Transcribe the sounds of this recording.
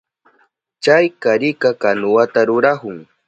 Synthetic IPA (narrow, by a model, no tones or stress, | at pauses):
t͡ʃajkaɾɪkakanʊwat̪aɾʊɾahʊŋ